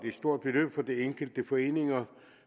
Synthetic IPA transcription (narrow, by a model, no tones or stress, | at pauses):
d̥e̝sd̥o̝ɐ̰d̥̚b̥elø̰ːb̥fɒ̽d̥eeŋɡ̥əl̩d̥əfɒ̽e̝̰ːne̝ŋɐ